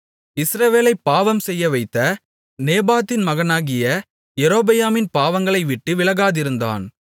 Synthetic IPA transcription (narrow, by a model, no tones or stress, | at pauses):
ɪsɾɐʋeːlɐɪpːaːʋɐmsɛjːɐʋɐɪt̪ːɐ | neːbaːt̪ːɪnmɐɣɐnaːɣɪjɐ | jɛɾoːbɐjaːmɪnpaːʋɐŋɡɐɭɐɪʋɪʈːɯʋɪɭɐɣaːðɪɾɯnd̪a̰ːn